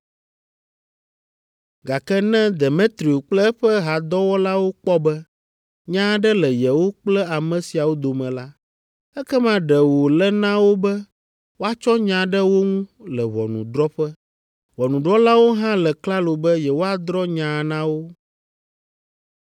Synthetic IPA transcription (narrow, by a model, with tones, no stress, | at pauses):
ɡa˨kɛ˦nɛ̃˦d̪ɛ˨mẽ˦t̪ɾi˨o˨k͡plɛ˦ɛ˦ɸɛ˦ɦa˨d̪ɔ˦wɔ˦la˦wo˦k͡pɔ˦bɛ˦ | ɲã˦ɖɛ˦lɛ˨jɛ˨wo˦k͡plɛ˦a˨mɛ̃˨si˨a˨wo˦d̪o˨mɛ̃˨la˦ | ɛ˦kɛ˦mã˦ɖɛ˨wo˨lɛ˦nã˦wo˦bɛ˦ | wo˦a˦t͡ʃɔ˦ɲã˨ɖɛ˦wo˦ŋũ˦lɛ˨βɔ̰˨nṵ̃˨ɖɾɔ˦ɸɛ˦ | βɔ˨nũ˨ɖɾɔ˦la˦wo˦ɦã˦lɛ˨kla˦lo˨bɛ˦jɛ˨wo˦a˨d̪ɾɔ˦ɲã˨nã˦wo˦